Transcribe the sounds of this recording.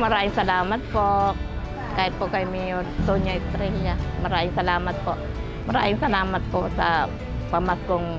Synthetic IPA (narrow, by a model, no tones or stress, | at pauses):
mɐɾaːɪŋsɐlaːmat̪̚po | kaɪpokajmijot̪oɲaɪst̪ɾɛljamɐɾaːʔɪŋsɐlaːmat̪̚poʔ | mɐɾa̰ːʔɪŋsɐlaːmat̪̚posa̰ | pɐmaskoŋ